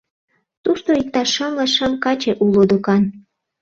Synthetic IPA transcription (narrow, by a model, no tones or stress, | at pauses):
t̪uʃt̪oik̚t̪ɑʃəmlɤʃəmkɑt͡ɕeʔulod̪okɑn